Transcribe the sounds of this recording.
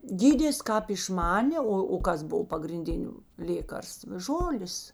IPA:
ˈɡʲiːdʲeːs ˈkɑːp ɪʃˈmɑːnʲeː ˈoː oː ˈkɐs ˈboːw pɐɡrʲɪnʲˈdʲɪnʲʊ ˈlʲeːkɐrstʋ ˈʒoːlʲeːs

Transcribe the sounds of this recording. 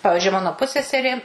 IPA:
ˈpɑːʋʲɪʒʲʊɪ ˈmɑːnoː ˈpʊsʲsʲɛsʲɛrʲeː

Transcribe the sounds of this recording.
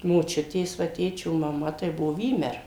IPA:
moːˈt͡ʃʲʊtʲeːs ʋɐ ˈtʲeːt͡ʃʲoː mɐˈmɐ tɐɪ ˈbʊʋoː ˈʋʲiːmʲɛr

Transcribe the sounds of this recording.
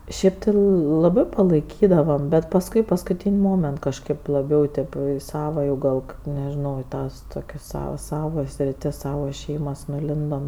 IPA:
ˈʃʲeːp tʲɪ lˠɐˈbɜ pɐlˠɐɪˈkʲiːdɐʋɐm bʲɛt pɐsˈkʊɪ pɐskʊˈtʲiːnʲ ˈmoːmʲɛnt kɐʃˈkɐɪp lˠɐˈbʲɛʊ tʲeːp jɛʊ ɪ ˈsɑːʋɐ jɛʊ jɛʊ ˈɡɐlˠ kɐt nʲɛʒʲɪˈnɐʊ ɪ ˈtɐs toːˈkʲɛs ˈsɑːʋɐs ˈsɑːʋoː sʲrʲɪˈtʲɪs ˈsɑːʋoː ˈʃʲɛɪmɐs nʊˈlʲɪndoːm

